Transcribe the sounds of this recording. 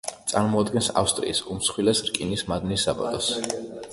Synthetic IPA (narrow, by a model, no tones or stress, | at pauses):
t̪sʼaɾmɔad̪ɡɛnsa̰fst̪ʼɾḭːsumsχwilɛsɾkʼinismad̪nisːabɔ̰t̪ʼɔs